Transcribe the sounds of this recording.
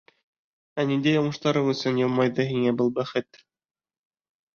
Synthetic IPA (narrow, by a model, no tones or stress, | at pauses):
ænind̪æjɑmɤ̆ʃt̪ɑɾɤɴɵ̆sɵnjɤlˠmɑjðɤɦiŋæbɤlˠbæχɘt̪